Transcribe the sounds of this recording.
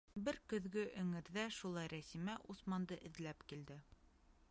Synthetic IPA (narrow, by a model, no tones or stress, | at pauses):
bɘɾkɵ̆ðɡɘʔɵ̆ŋɘ̆ɾðæʃulˠɑjɾæsimæʔusmɑnd̪ɤʔɘ̆ðlæpkild̪ɘ